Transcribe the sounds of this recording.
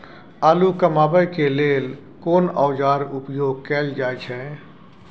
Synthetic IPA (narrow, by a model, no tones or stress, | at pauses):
aːlukəmaːbəjkeleːl | koːnaːd͡ʒaːɾʊpjoːɡ̚kɛːld͡ʒaːjt͡ʃʰɦɛ̃